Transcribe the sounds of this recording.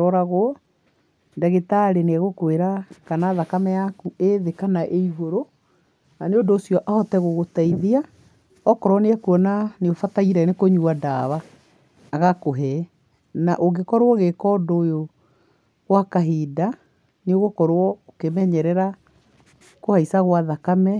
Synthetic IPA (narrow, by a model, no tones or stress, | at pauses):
ɔɾaɣoɔ | daɣetaɾeneaɣokweɾakanaðakamɛjakueðekanaʔeiɣoɾo | naneondoːsjɔʔahɔtɛɣoɣotaiðia | ɔkɔɾwɔneɛkuɔnaneofataiɾɛnekoɲuadaːβaː | ɣakoɦɛ | naʔoɣɡekɔɾwɔɣekɔdojo | ɣwakaɦiːda | neoɣokɔɾwɔokemɛɲɛɾɛɾa | kohaisaɣwaðakamɛ